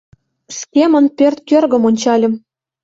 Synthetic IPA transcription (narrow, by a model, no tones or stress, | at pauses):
skʲemə̆npʲørt̪̚kørɣə̆monʲt͡ɕɑlʲə̆m